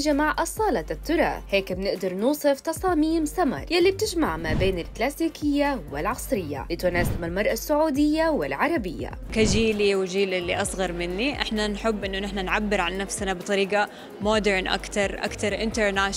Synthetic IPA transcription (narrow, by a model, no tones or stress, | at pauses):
ʒamaʕʔɑsˤɑːlɑt̪ːʊɾˤɑ̰heːkbnɪʔd̪ɑɾˤnuːsˤɨft̪ɑsˤɑːmiːmsamɑ̰ɾˤjalːib̚t̪ɪʒmaʕmaːbeːnɪlklaːsiːkʰɪjːawɪlʕɑsˤɾɪjːa̰lɪt̪ʊnaːsɪmalmɑɾˤʔasːʊʕuːd̪ɪjːawɪlʕɑɾˤɑbɪjːa̰ | kad͡ʒiːliwɪʒiːlʔɪlːiʔɑsˤɣɑɾˤmɪnːiʔɪ̰ħnanħɪbːʔɪnːʊnɪħnanʕabːɪɾʕanːafsnabɨt̪ˤɑɾiːɡa | mod̪ɪɾnʔa̰kt̪ɑɾˤʔa̰kt̪ɑɾˤʔɪnt̪eɾnaːʃ